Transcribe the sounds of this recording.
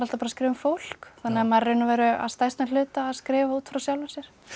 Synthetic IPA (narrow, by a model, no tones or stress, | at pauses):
ɾal̥t̪apaːɾaskɾɪːvʏmfowl̥kθanːɪamaðrenʏvɛːɾʏa̰ðst̪ajst̪nal̥ʏːt̪aːðskɾɪːvauːt̪fɾawsjawlvasjɛɾ̥